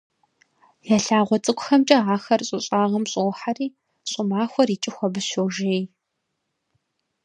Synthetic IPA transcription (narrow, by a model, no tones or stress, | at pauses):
jaɬaːʁʷɔt͡sʼɨkʷʼʊxɐmt͡ʃʼɐaːxɐrɕʼɨɕʼaːʁɐmɕʼowħariː | ɕʼʊmaːxʷɔriːt͡ʃʼɪxʷɔbɨɕowʒeːj